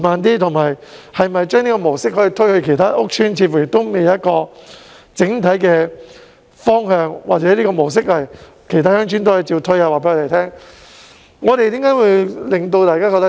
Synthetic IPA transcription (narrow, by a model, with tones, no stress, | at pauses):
maː˨˧nt̪iː˥t̪ʰʊ˨˩ŋmaː˨˩jhɐ˨jmɐ˨jt͡ʃœː˥ŋniː˥kɔː˧mo˨˩wsɪ˥k̚hɔː˨˧˥ji˨˧t̪ʰɵ˥ɥhɵ˧ɥkʰe˨˩jt̪ʰaː˥ʔʊ˥k̚t͡ʃʰyː˥nt͡sʰiː˧t̚fuː˨˩jɪ˨˩kt̪ːo˥wme˨jjɐ˥t̚kɔː˧ | t͡sɪ˨˥ŋt̪ʰɐ˨˥jkɛː˧ | fɔː˥ŋhœː˧ŋwaː˨t͡sɛː˨˥liː˥kɔː˧mo˨˩ws̬ɪ˥k̚hɐ˨j | kʰjt̪ʰaː˥jœː˥ŋt͡ʃʰy˥nt̪o˥whɐ˨˧jt͡siː˧wt̪ʰɵ˥ɥaː˧waː˨pe˨˥jŋɔ˧t̪e˨˩jt̪ʰɛː˥ŋ | ŋɔː˨˧t̪e˨jt̪i˨˥mŋkaː˨˥jwu˨˧jlɪ˨ŋt̪o˧wt̪aː˨jkaː˥kɔ˧t̪